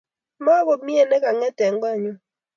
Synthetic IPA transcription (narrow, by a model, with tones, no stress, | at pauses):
mɔ˦ko˨˦mi˦e˨ne˦ka˨ŋɛ˦tɛ˨ŋ̩˦ɡ͡bɔ˦˨ɲo˦